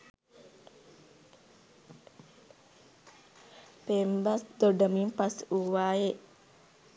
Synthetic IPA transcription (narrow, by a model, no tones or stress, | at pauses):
pɛmbasd̪ɔdamimpasuwaeʔ